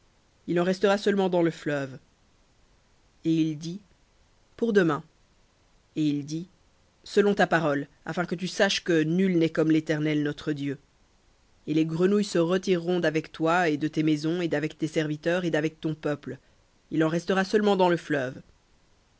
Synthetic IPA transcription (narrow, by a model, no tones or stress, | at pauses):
ilɑ̃ʁɛst̪əʁasəlmɑ̃d̪ɑ̃ləflœv | eild̪i | puʁd̪əmɛ̃ | eild̪i | səlɔ̃t̪apaʁɔl | a̰fɛ̃kət̪ysaʃkənylnɛkɔmlet̪ɛʁnɛlnɔt̪χəd̪jø | eleɡʁənujsəʁət̪iʁːɔ̃d̪avɛkt̪waed̪ət̪emɛzɔ̃ed̪avɛkt̪esɛʁvit̪œːʁed̪avɛk̚t̪ɔ̃pœpl | ilɑ̃ʁɛst̪əʁasœlmɑ̃d̪ɑ̃ləflœv